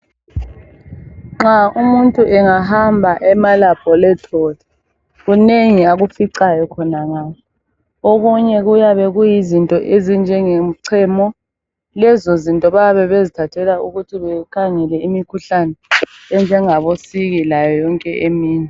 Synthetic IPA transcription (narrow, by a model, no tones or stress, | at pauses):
ŋ͡ǁaumuntʼuʔɛŋaɦambʱaʔɛmalab̥̚ʼʱɔlɛtʰɔdʱɔ | ɣuneŋiaɣufiǀajɔkʰɔnaŋaːjɔ | oɣuɲɛɣujaβɛɣujizintʼɔʔezind͡ʒʱɛŋem̩ǀʰɛmɔ | lɛzozintʼɔβaaβɛβezitʰatʰɛlauɣutʰiβɛkʰaŋɛlɛimikʰuɬanɛ | ɛnd͡ʒʱɛŋaβosiɣilajɔjɔŋkʼɛʔemiːnɛ